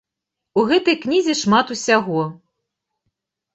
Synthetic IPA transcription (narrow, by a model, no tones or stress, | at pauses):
uɣɛt̪ɐjknʲizʲiʂmat̪usʲaɣɔ